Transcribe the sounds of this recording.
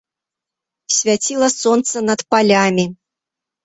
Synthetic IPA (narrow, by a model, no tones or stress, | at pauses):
sʲvʲatʲilˠɐsont̪sənat̪palʲamʲi